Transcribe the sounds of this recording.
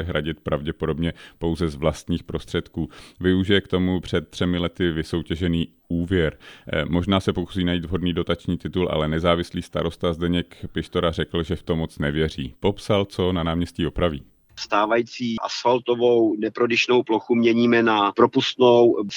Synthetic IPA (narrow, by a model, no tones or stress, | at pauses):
ɦɾaɟɪt̪̚pɾʔavɟɛpo̞do̞bɲɛpo̞wzɛzvlast̪ɲiːxpɾo̞st̪r̥ɛt̪kuːvɪuʒɪjɛkt̪o̞mupr̝̥ɛt̪̚ːr̥ɛmɪlɛt̪ɪvɪso̞wcɛʒɛniː | ʔuːvjɛɾmo̞ʒnaːsɛpokusiːnajiːt̪vɦo̞dniːdo̞t̪at͡ʃɲiːt̪ɪt̪ulʔa̰lɛnɛzaːvɪsliːst̪aɾo̞st̪azdɛɲɛkpɪʃt̪oɾarɛkl̩ʒɛft̪omot͡snɛvjɛr̝ḭːpo̞psalt͡so̞nanaːmɲɛsciːopɾavḭː | st̪aːvajit͡siːʔa̰sfalt̪ovownɛpɾodɪʃnowploxumɲɛɲiːmɛnapɾopust̪now